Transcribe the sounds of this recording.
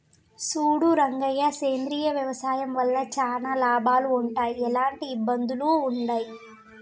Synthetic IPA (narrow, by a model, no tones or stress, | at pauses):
suːɽuɾɐŋɡɐjaseːnd̪ɾiːjɐʋjɐʋɐsaːjɐmʋɐlːɐt͡ʃaːnaːlaːbaːluːɳʈaːjiɛlaːɳʈiːbːɐnd̪uluːɳɖaːji